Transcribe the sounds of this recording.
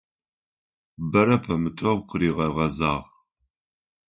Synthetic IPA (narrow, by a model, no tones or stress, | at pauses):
bɐɾɐpʰɐmɨtʰʼɐʁqʷʰəɾiːʁɐʁɐzaːʁ